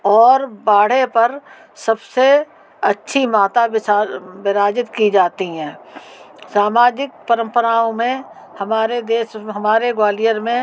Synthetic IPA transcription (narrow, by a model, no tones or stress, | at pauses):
ɔːɾbaːɽ̤epɐɾ | sɐbse | ɐtːʃʰimaːt̪abɪabɪɾaːd͡ʒɪt̪kid͡ʒaːt̪iɦɛ̃ː | saːmaːd͡ʒɪk̚pəɾə̃mpəɾaːõmẽ | hɐmaːɾed̪eːʃɦɐmaːɾeɡwaːlijəɾmẽ